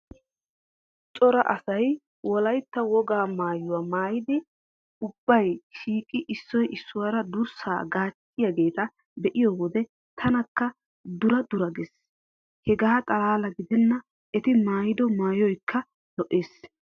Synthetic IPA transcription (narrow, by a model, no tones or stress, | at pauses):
t͡sʼɔɾɐ̰ʔɐsɐj | wɔlɐjt̪ːɐwɔɡaːmaːjʊwaːmaːjɪd̪ɪ | ʊb̥ːɐjʃiːkʼɪʔɪsːɔjɪsːʊwaːɾɐd̪ʊɾsa̰ːɡaːt͡ʃʼː | ɪjɐɡe̞ːt̪ɐ | bɛʔɪjɔwɔd̪ɛ | t̪ʰɐnɐkːɐ | d̪ʊɾɐd̪ʊɾɐɡɛs | hɛɡaːkʼɐlaːlɐɡɪd̪ɛnːɐ | ɛt̪ɪmaːjɪd̪ɔmaːjɔjkʰːɐ | lɔʔeːs